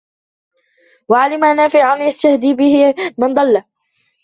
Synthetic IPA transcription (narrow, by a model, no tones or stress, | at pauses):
waʕalɪmʔanːaːfɪʕanjast̪ahd̪iːbɪhɪmɪnd̪ˤɑlːa